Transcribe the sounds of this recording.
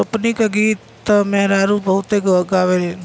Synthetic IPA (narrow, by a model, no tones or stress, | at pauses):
əpnikaɡiːt̪ː | ɐmeɦɾaːɾũbəʊt̪eːkəɡaːʋe